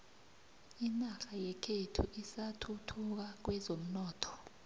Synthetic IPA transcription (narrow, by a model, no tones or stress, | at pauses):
inaxajɛkʰetʰuʔisatʰutʰuk̬ak̬wɛzom̩nɔːtʰɔ̥